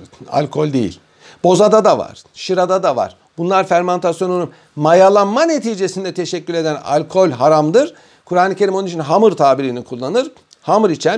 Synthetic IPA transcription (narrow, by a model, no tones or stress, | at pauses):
a̰lʲkʰo̞lʲd̪ejḭlʲ | b̥o̞zad̪ad̪ava̰ɾ̥ʃiɾad̪ad̪ava̰ɾ̥ | bunlˠaɾfæɾmant̪ʰasjo̞nunun | majalˠanmane̞t̪ʰiːd͡ʒe̞sind̪ɛt̪ʰe̞ʃɛcːylʲe̞d̪æna̰lʲkʰo̞lʲɦaɾamd̪ɯɾ̥ | kʰuɾaːnˠɯcʰe̞ɾimo̞nuit͡ʃʰinɦamɯɾt̪ʰaːbiɾinikʰulˠːanɯɾ | hamɯɾit͡ʃʰɛn